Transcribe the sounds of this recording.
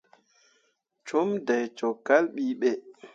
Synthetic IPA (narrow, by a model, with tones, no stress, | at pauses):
t͡ʃɔ˦mda˨jt͡ʃɔ˨kːa˦lɓiː˦ɓɛ˦